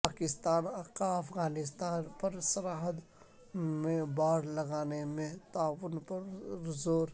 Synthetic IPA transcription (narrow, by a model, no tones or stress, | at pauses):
paːkɪst̪aːnkaɐpʰɣaːnɪst̪aːnpɐɾsɐɾaːɦəd̪ | mẽbaːɽlɐɡaːnemẽt̪aːwʊnpɐɾzoːɾ